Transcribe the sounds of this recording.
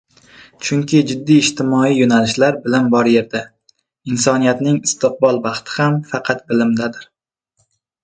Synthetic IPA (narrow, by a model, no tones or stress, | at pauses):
t͡ʃʰʊŋkʲɪd͡ʒɪd̪ːiːʃt̪ʰɪmɒijonalɪʃlaɾbɪlɪnbɒɾje̞ɾd̪a | ɪnsɒnijat̪nɪŋɪst̪ʰɪq̚bɒlˠbɑχt̪ʰɪ̥hamfɑqʰɑt̪̚bɪlɪmd̪ad̪ɪɾ